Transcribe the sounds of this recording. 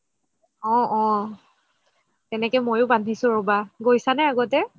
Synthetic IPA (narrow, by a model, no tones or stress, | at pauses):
ɔ̃ɔ̃ | tɛnɛkɛmojʊbandʱisʊ̃ɹobaɡojsanɛaɡɔtɛ